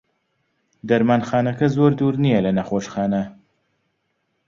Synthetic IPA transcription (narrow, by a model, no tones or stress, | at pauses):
d̪ɐɾmaːnxaːnɐkɐzoɾd̪uːɾnijɐlɐnɐxoːʃxaːnɐ